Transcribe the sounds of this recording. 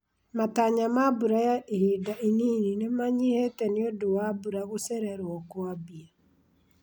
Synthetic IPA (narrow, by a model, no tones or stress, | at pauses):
mataɲamabuɾajaihidaʔiniːninemaɲihɛtɛniodowabuɾaɣosɛɾɛɾwɔkwabia